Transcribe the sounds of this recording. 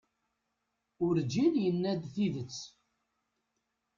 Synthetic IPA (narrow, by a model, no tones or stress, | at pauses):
ʊɾd͡ʒinjənːæd̪θiðət͡sː